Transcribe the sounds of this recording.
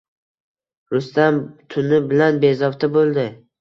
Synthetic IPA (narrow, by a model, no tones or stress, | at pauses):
ɾʊst̪amt̪ʰʊnɪbɪlanbe̞zɒft̪ʰabolˠd̪ɪ